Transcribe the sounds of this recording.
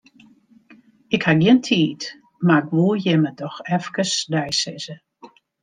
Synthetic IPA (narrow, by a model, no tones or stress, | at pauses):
ɪkhaɡiəntʰiːt | maɪkʋuːjɛmədɔxɛfkəsdɛjsɪzə